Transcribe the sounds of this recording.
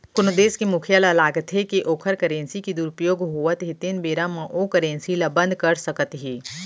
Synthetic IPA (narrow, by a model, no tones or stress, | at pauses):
kʊnd̪eːskimʊkʰijələlaːɡət̪ɦekiʔoːkʰəɾkɐɾẽːnsikid̪uːɾʊpjoːɡɦoːət̪ɦit̪ɪnbeːɾamãʔokəɾẽːnsilabɐ̃nd̪ʱkɐɾsɐkət̪ɦiː